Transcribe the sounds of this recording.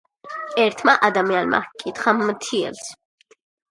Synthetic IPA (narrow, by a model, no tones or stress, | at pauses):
ɛɾt̪ʰmaʔad̪amianma̰kʼit̪χamːt̪ʰiɛ̰ls